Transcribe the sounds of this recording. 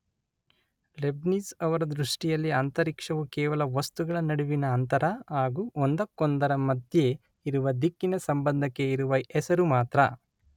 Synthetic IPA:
lebnisɐʋɐɾɐd̪ɾuʂʈijɐlːiɐnt̪ɐɾikʂɐʋukɛːʋɐlɐʋɐst̪uɡɐɭɐnɐɽuʋinɐːnt̪ɐɾɐɦaːɡuːʔond̪ɐkːond̪ɐɾɐmɐd̪ʱje̞ | iɾuʋɐd̪ikːinɐsɐmbɐnd̪ʱɐkːeiɾuʋɐɛsɐɾumaːt̪ɾɐ

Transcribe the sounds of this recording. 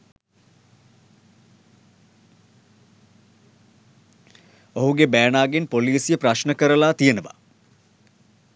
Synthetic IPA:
oɦuɡebæːɳaːɡenpoliːsjəpɾaʃnəkəɾəlaːt̪ijənəʋa̰

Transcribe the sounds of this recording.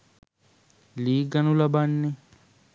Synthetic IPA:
liːɡanulabanːɪ

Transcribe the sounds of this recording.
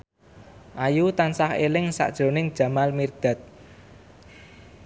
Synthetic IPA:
ʔajut̪ansahelɪŋsa̰ʔd̥ʒ̥ɾo̤nɪŋd̥ʒ̥ä̤malmird̪̥a̤t̪̚

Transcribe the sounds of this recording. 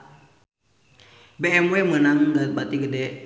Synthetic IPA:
beɛmwemənaŋɡabat̪iɡədɛ

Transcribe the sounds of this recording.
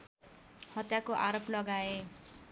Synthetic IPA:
hʌt̪jakoʔaɾoplʌɡae

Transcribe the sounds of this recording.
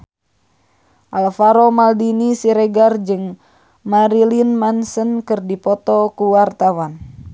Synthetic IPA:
ʔalfaɾomaldinisiɾɛɡard͡ʒɨŋ | maɾilinmansənkɨrdipɔt̪ɔkuwart̪awan

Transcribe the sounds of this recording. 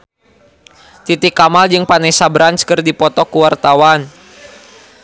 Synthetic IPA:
t̪it̪ikːamald͡ʒɨŋpanɛsabɾant͡ʃkɨrdipɔt̪ɔkuwart̪awan

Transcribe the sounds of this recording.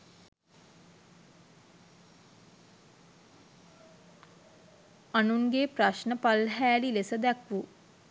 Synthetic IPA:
anuŋɡepɾaʃnəpalɦæːlilesəd̪ɛkʋu

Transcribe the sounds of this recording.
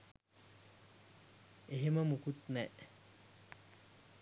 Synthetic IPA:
eɦeməmukut̪nɛʔ

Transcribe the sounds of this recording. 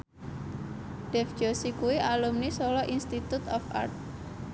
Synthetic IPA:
d̥ɛfd͡ʒ̥osikuwiʔalumnisɔlɔʔinst̪it̪ut̪ɔfa̰rt̪̚

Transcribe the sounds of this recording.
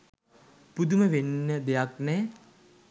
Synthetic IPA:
pud̪uməʋenːəd̪ejaknɛ

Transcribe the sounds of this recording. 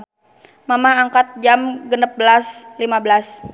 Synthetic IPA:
mamahaŋkat̪̚d͡ʒamɡənəp̚bəlaslimabəlas

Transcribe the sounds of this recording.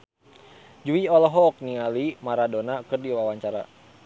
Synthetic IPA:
d͡ʒuiɔlɔɦɔːk̚niŋalimaɾadonakɨrdiwawaɲt͡ʃaɾa̰

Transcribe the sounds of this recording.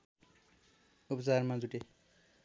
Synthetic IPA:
upt͡saɾmãd͡zuʈe

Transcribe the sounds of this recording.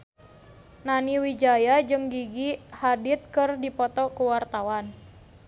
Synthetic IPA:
naniwid͡ʒajad͡ʒɨŋɡiɡihadit̪̚kɨrdipɔt̪ɔkuwart̪awan

